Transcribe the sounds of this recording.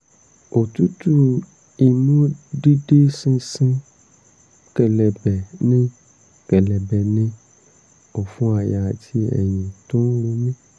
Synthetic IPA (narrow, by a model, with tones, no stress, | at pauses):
o˨tu˦tu˦ | i˨nũ˦di˦de˦sĩ˧sĩ˦ | kɛ˨lɛ˨bɛ˨nĩ˦ | kɛ˨lɛ˨bɛ˨nĩ˧ | o˨fũ˦a˨ja˨ti˦ɛ̰˨jĩ˨tõ˦wũ˧mĩ˦